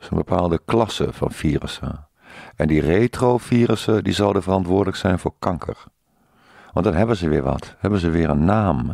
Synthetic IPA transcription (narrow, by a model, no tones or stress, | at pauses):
sənbəpʰaːlˠdəklɑsə̰fɔ̰nfiːrə̰sə̰ | ɛndireːtrofiːrəsədizɔlˠdəvərɑntʋʊːdələksɛjnfʊːɹkʰɑŋkʰə̰r | ʋɑndɔnɦɛbənzəʋɪːɹʋɔ̰thɛbənzəʋɪːərənːaːm